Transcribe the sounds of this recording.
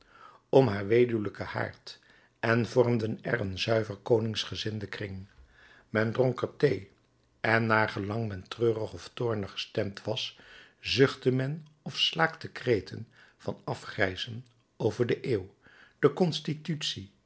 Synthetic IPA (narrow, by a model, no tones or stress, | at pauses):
ɔmɦaːɹʋejdyləkəha̰ːɹt | ɛnvɔrmdənɛ̰rənzœɥvəɹkownɪŋsχəzɪndəkrɪŋ | mɛndrɔŋkəɹtej | ʔɛnːaːɹχəlɑŋmɛntrøːrəχɔftʊːɹnəχə̥stɛmtʋɑszɵχtəmɛn | ɔfslaːktəkrejtʰənv̥ɑnɑfχrɛjzən | owvəɹdəʔeːw | d̥əkɔnstitytsi